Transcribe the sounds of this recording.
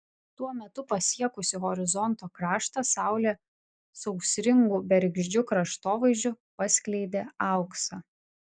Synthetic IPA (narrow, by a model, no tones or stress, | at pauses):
t̪uɔmʲɛt̪ʊpɐsʲiɛkʊsʲɪɣɔɾʲɪzɔnt̪oːkɾɑːʃt̪ɐsɑˑʊlʲeː | sɐʊksʲɾʲɪŋɡuːbʲɛɾʲɡʲʒʲd͡ʒʲʊkɾɐʃt̪oːʋɐɪʒʲd͡ʒʲʊ | pɐsʲkʲlʲɛɪd̪ʲeːɑˑʊksɐ